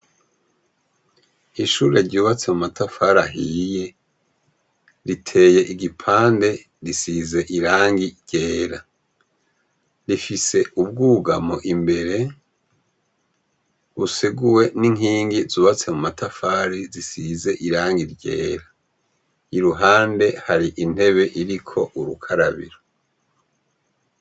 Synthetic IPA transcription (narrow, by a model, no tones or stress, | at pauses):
iʃuːɾe̞ɾɟuːβat͡se̞mumatafaɾaɦije̞ | ɾitʰe̞ːje̞ʔiɡipʰaːnde̞ | ɾisize̞ʔiɾaːŋɡiɾɟe̞ːɾa | ɾifise̞ʔub̚ɡuːɡamo̞ʔimbe̞ɾe̞ | βusiɡuwe̞niŋɦiːŋɡizuβat͡se̞mumatʰafaːɾizisize̞ʔiɾaːŋɡiɾɟe̞̰ːɾa | iɾuɦaːnde̞haɾiʔin̥he̞βe̞ʔiɾikʰo̞ʔuɾukʰaɾaβḭɾo